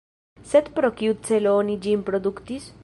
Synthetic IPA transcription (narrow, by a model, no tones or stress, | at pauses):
set̪pɾɔkjut̪̚selonid͡ʒimpɾɔd̪ukt̪is